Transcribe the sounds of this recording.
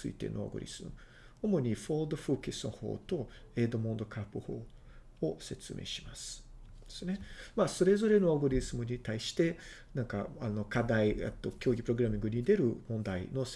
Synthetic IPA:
t͡sɨḭt̪e̞̰noo̰ɡo̰ɾʲḭz̥ɨmɯ̰ | omo̞ɲ̟iɸod̪oɸɯ̟ːkesɨno̞̰ho̞̰ːt̪o̞ | ed̪o̞mõnd̪o̞kʰapːɯ̟hoː | ose̞t͡sɨmʔe̞̰ːɕi̥masɨ̥ | d̪esɨne̞maso̞ɾe̞zo̞ɾe̞noaɡoɾʲizɨmɯ̟ɲ̟it̪aiɕi̥t̪e̞ | nãŋka̰ano̞kad̪aiḛt̪ːo̞kʲo̞ːɡʲipɯɾo̞ɡɯ̟ɾamʲĩŋɡɯ̟ɲ̟id̪e̞ɾɯ̟mõ̞nd̪aḭno̞s

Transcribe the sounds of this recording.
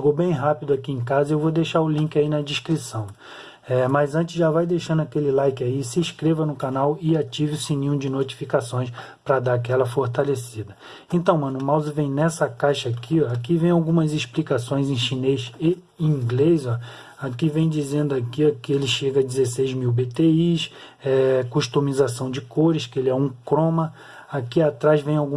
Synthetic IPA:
ʃeɡowbẽj̃ɦapid̪ʊakiẽkazɐewvod̪ejʃaɾʊlĩkɪainɐd͡ʒiʃkɾisɐ̃w̃ | ɛmɐzɐ̃nt͡ʃɪ̥zʒavajd̪ejʃɐ̃nd̪ʊakelɪlajkɪaisɪʃkɾevɐnʊkanawɪat͡ʃivɪʊsinĩʊ̃d͡ʒɪnot͡ʃi̥fikasõj̃s | pɾɐd̪aakɛlɐfoɾt̪alesid̪ɐ | ẽnt̪ɐ̃w̃mɐ̃nʊmawzɐvẽj̃nɛsɐkajʃɐakʰiakivẽj̃awɡũmɐzɪʃplikasõj̃zẽj̃ʃinejʃe | ĩɡlejzɔ | akɪvẽj̃d͡ʒizẽnd̪ʊakiakɪelɪʃeɡɐad͡ʒɪzesejzmiwbet̪eiʃ | ɛkuʃt̪umizasɐ̃w̃d͡ʒɪkoɾɪʃkɪelɪɛũkɾõmɐ | akiat̪ɾazvẽj̃awɡũ

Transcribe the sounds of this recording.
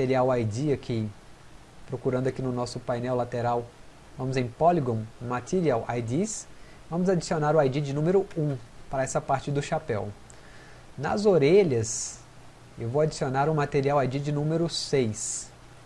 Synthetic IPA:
t̪eɾiawajd͡ʒiɐkʰɪ | pɾokuɾɐ̃ndʊakinʊnɔsʊpajnɛwlat̪eɾaw | vɐ̃mʊzẽj̃pɔliɡõw̃mat̪eɾiawʔa̰jdis | vɐ̃mʊzad͡ʒisionaɾʊajd͡ʒid͡ʒɪnũmeɾʊũpaɾɐɛsɐpaɾt͡ʃɪd̪ʊʃapɛw | nɐ̰zoɾeʎɐs | ewvowad͡ʒisionaɾʊmat̪eɾiawajd͡ʒid͡ʒɪnũmeɾʊsejs

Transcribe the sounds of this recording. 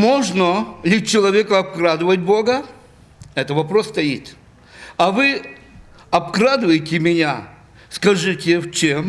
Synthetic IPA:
moʐnəlʲɪt͡ɕɪlˠɐvʲekɐɐp̚kɾad̪ɨvət̚ʲbo̞ɡə | ɛt̪əvɐpɾo̞sːt̪ɐjit̪ | ɐvɨ | ɐpkɾad̪ɨvəjɪtʲɪmʲɪnʲa | skɐʐɨtʲɪft͡ɕem

